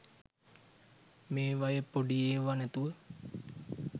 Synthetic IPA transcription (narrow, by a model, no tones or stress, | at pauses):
meːʋajəpoɖijeːʋanæt̪uʋə